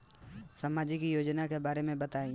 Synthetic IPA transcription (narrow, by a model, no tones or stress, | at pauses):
səmaːd͡ʒikijoːd͡ʒnakebaːɾemẽbɐt̪aːĩ